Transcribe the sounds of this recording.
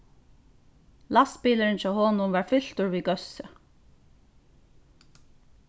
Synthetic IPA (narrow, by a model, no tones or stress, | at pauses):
last̪piːləɾɪnt͡ʃɔːhɔːnʊmvaɹfʏl̥t̪ʊɹviːɡœsʏ